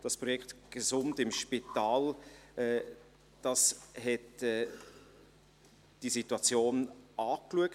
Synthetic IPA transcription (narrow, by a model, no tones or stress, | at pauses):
d̥ɑspɾɔjɛkχtɡ̥ezʊmtɪmʃpitaːlɛː | d̥ɑsɦɛtɛː | d̥isituɑt͡sjoːnɑːkluək